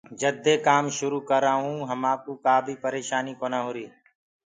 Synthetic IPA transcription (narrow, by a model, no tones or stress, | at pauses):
d͡ʒəd̪eːkaːmʃʊɾuːkəɾaːɦũːɦəmãːkuːkaːbʱiːpəɾeːʃaːniːkoːnaːɦoːɾiː